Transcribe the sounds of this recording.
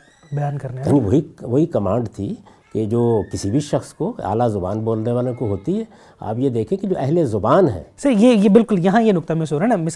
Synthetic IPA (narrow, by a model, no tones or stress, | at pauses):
bɛjaːnkɐɾneja̰niʋoɦiʋoɦikɐmãːɳɖt̪ʰi | ked͡ʒoːkɪsibʱiʃɐxskoa̰ːlazʊba̰ːnboːlneʋaːlekoɦoːt̪iɦɛː | a̰ːpjed̪eːkʰẽkid͡ʒoːʔɛɦlezʊbaːnɦɛ̰̃ːsɐjejebɪlkʊljɐɦãjenʊk̚t̪amẽsoɾeamɪs